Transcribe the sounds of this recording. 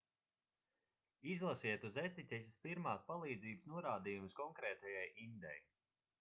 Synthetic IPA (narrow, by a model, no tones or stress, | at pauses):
izlˠasiɛt̪uzɛt̪it̪ʲɛsʲispiɾmaːspalˠiːd̪ziːbəsnuɔɾaːd̪iːjumskɔŋkɾɛːt̪ɛjajind̪ɛ̰j